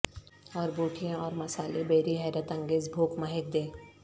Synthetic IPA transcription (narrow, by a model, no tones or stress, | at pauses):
ɔːɾboːʈʰijãɔːɾmɐsaːlebeːɾiɦɛːɾət̪ɐ̃ŋɡeːzbʱoːkmɐɦek̚d̪eː